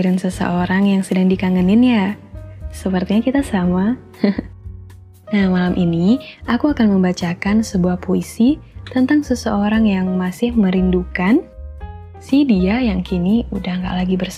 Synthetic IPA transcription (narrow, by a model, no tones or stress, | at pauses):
ɾɪnsəsə̰ʔoɾaŋjaŋsədaŋdikaŋənɪnja | səpərt̪iɲakit̪asama | h | namalamʔiniʔakuakanməmbat͡ʃakansəbuahpʰoisit̪ənt̪aŋsəsəoɾaŋjaŋmasɪhməɾindukan | sidiajaŋkiniudahŋɡa̰ʔlaɡibərs